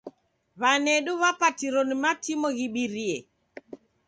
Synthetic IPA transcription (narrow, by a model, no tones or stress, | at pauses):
βanɛɗuβapatiɾɔnimatimɔɣiɓiɾiɛ